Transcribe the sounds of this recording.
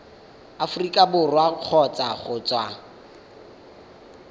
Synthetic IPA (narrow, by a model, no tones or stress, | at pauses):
afʊrikʼabʊrwaq͡χʰɔt͡sʼaχʊt͡sʼwa